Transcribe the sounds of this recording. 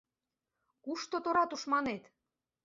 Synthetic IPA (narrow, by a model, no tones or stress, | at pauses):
kuʃt̪ot̪oɾɑt̪uʃmɑnet̪